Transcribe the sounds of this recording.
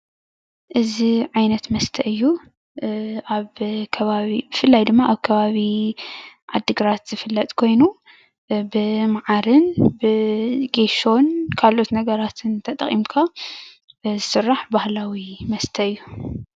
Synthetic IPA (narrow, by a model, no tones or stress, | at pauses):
ʔɨziʕajnɐt̪mɐst̪ʰɐʔɨjːu | ʔaβkʰɐβaβibɨfɨlːajd̪ɨmːaʔaβkʰɐβaβi | ʕad̪ːɨɡɾat̪z̥ɨfɨlːɐt̪ʼkʰo̞jnu | bɨmaʕaɾɨnbɨɡeʃo̞nkʰalʔo̞t̪nɐɡɐɾat̪ʰɨnt̪ʰɐt̪ʼɐ̰χʼḭmkʰa | zɨsɨrːaħbahlawimɐst̪ʰɐɨjːu